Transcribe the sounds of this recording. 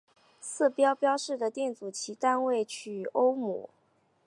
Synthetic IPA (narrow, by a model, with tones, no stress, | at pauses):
sɹ̩˥˩pjɑ˥ʊpjɑ˥ʊʂɻ̩˥˩d̪ə˩t̪jɛ˥˩nt͡su˨˩t͡ɕʰi˧˥t̪a˥˧nwe˥˩ɪt͡ɕʰy˨˩o˥ʊmṵ˨˩˦